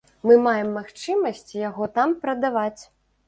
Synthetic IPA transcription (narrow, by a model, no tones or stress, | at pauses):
mɨmajɛmːaxt͡ʂɨmɐsʲt͡sʲjaɣɔt̪ampɾɐd̪avat͡sʲ